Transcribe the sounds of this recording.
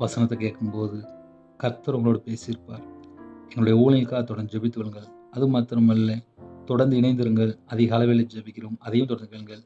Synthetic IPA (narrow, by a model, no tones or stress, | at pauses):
ʋɐsɐnɐt̪ːɛkeːʈkɯmpoːðɯ | kɐɾt̪ːɐɾʊŋɡɐɭoːɽɯpeːsɪɪɾɯpːaːɾɛŋɡɐɭʊɽɐjɐuːlɐjɪlkaːɐt̪ɔɽɐnd̪d͡ʒɛbɪt̪ːɯʋɐɭɯŋɡɐɭɐðɯmaːt̪ːɾɐmɐlːɐt̪ɔɽɐɾnd̪ɯɪɳɐɪnd̪ɯɾɯŋɡɐɭɐðɪɣɐɐːlɐʋɪlɐd͡ʒɛbɪkʲːɪɾoːmɐðɐjɯmt̪ɔɽɐɾnd̪ɯkeɭɯŋɡɐɭ